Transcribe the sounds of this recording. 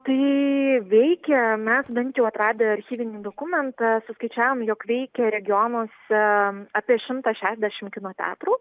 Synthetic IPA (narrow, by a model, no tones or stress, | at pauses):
t̪ɐɪʋʲɛɪkʲɛmʲɛsbʲɛnt̪ʲjɛʊɐt̪ɾɑːd̪ʲeːɐɾʲxʲiːʋʲɪnʲiːd̪oːkʊmʲɛnt̪ɐsʊskɐɪt͡ʃʲæːʋoːmjoːkʋʲɛɪkʲɛɾʲɛɡʲɪjoːnoːsɛɑːpʲiɛʃʲɪmt̪ɑʃʲæːʃʲɛd̪ʲæʃʲɪmkʲɪnoːt̪ʲæ̰ːt̪ruː